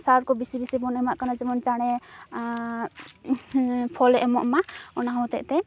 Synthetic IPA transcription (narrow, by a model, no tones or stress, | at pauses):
saɾkɔbisibisibɔnɛmaʔkanad͡ʒimɔnt͡ʃaɽ̃ɛ | pʰɔlɛʔɛmɔ̰ʔmaɔnaɦɔwt̪ɛʔt̪ɛ